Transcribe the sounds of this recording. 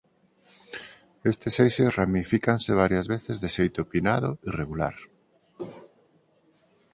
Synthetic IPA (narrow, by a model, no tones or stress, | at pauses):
est̪ɪsejʃesramifikanseβ̞aɾjɐzβeθɪzðeʃejt̪opinaðʊireɣula̰ɾ